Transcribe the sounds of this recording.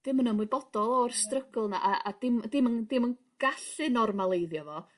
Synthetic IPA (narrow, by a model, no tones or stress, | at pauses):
d̥ɪmənəmwɨbɔdɔlˠɔrstrəɡʊlˠna̰ʔaʔad̥ɪmdɪməndɪmən | ɡ̥aɬɨnɔrmalˠejðjɔvɔ